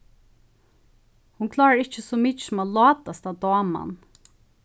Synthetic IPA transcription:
hʊnkʰlɑːɹaɹɪt͡ʃəsɔmit͡ʃmalɔːt̪ast̪aʋd̪ɔːma̰n

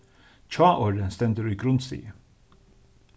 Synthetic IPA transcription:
c͡çʰɑːʔoːɾənst̪ɛnd̪əɾyːɡɾʊnst̪ḭːə

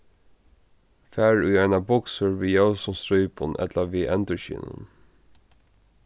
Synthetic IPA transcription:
fæːɹʉːɛɪnɑbɔksəɹʋiːjaʊsɔst̪ɾœʏpʰɔnʔɛ̰t̪ləʋiːʔɛnd̪əʃḭːnə̰n

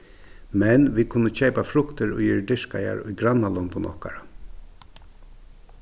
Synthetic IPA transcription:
mɛnʋiːkʰʊnːət͡ʃɛjpafɾʊkt̪əɾʊ̰ɪɹɖɪʂka̰ja̰ɾʊ̰jɡɾanːalɔnd̪ʊnʔɔ̰hka̰ɾa

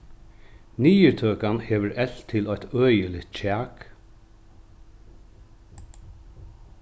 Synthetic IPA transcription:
niːəɹt̪ʰøːkanheːʋəɹɛɬt̪ʰɪlɔʏt̪œːjəlɪt̪̚t͡ɕʰæːk

